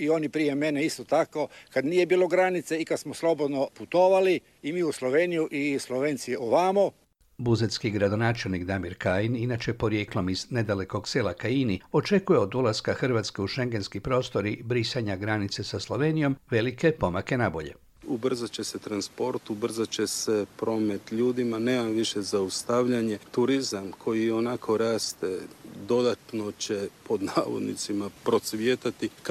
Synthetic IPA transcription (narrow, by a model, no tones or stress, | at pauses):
ionipɾijemeneist̪ot̪akokad̪niːjebiːloɡɾanit̪seikad̪smoslˠobod̪noput̪oːʋali | imiːuslˠoʋeːnijuʔislˠoʋeːnsioʋamu | buzet̪skiɡɾad̪o̞naːt͡ʃe̞lnikd̪amiɾkaːjininat͡ʃe̞po̞ɾje̞ːklo̞mizne̞d̪ale̞ko̞ɡseːlakainio̞t͡ʃe̞kuje̞o̞d̪ulaskaxrʋat̪skeuʃe̞ŋɡe̞nskipɾo̞ːst̪o̞ɾibɾisaɲaɡɾanit̪sesaslˠo̞ʋe̞nijo̞mʋe̞like̞po̞make̞nabo̞̰ʎe̞̰ | ubr̩zat͡ɕeset̪ɾanspo̞ɾt̪ubr̩zat͡ɕesepɾo̞ːmet̪ʎuːd̪imaneːmamʋiʃezaust̪aʋʎaɲet̪uɾizamkʰo̞jio̞nakʰo̞ɾaːst̪ed̪o̞d̪at̪no̞t͡ɕepo̞d̪naːʋo̞̰d̪nḭt̪simapɾot̪sʋjet̪at̪ik